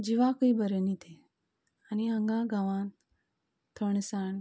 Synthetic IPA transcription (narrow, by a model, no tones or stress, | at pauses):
d͡ʑiʋakəibəɾənit̪ʰe | aniəŋɡãɡaʋãn | t̪ʰoɳsaɳ